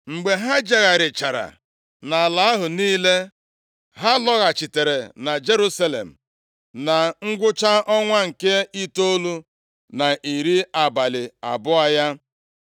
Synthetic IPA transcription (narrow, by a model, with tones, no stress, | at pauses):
ŋ͡m̩˨ɡ͡be˨ɦa˦d͡ʒa˨ɣa˨ɾɪ˨t͡ʃa˨ɾa̰˨ | na˨la˨a˦ɦʊ˨niː˦le˦ | ɦa˦lɔ˦ɣa˨t͡ʃi˨te˨ɾe˨na˨d͡ʒe˦ɾu˦sa˦lḛ˨m̩˨ | na˨ŋ̩˦ɡʷʊ˦t͡ʃa˦ɔ˦ŋʷa˦ŋ̩˨ke˦i˦to˦lu˦ | na˨ʔi˨ɾi˦a˨ba˨lɪ˨a̰˨bʊ˦a˦ja˦